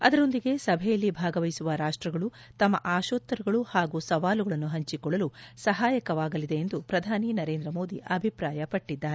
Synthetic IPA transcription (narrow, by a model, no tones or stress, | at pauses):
ɐd̪ɐɾo̞nd̪iɡe̞sɐbʱɛjɐlːibʱaːɡɐʋɐjsuʋɐɾaːʂʈɾɐɡɐɭu | t̪ɐmːɐ̰ʔaːʃoːt̪ːɐɾuɡɐɭuhaːɡusɐʋaːluɡɐɭɐnːuɦɐɲt͡ʃikɔɭːɐlusɐɦaːjɐkɐʋaːɡɐlid̪e̞ːnd̪upɾɐd̪ʱaːninɐɾe̞ːnd̪ɾɐmo̞ːd̪ḭʔɐbʱipɾaːjɐpɐʈːid̪ːaːɾee